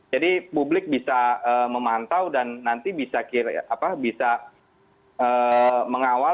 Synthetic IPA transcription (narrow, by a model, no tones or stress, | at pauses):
d͡ʒadipublɪk̚bisaəːməmant̪awdanːant̪ibisakiɾ̰apabisa | əːməŋawa